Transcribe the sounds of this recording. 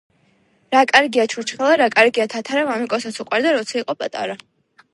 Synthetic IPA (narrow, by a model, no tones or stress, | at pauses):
ɾakʼaɾɡiat͡ʃʰuɾt͡ʃχɛlˠaɾakʼaɾɡiat̪ʰat̪ʰaɾavamikʼɔsat̪sʰuqʼwaɾd̪aɾɔt̪sʰaiqʼɔpʼat̪ʼa̰ɾa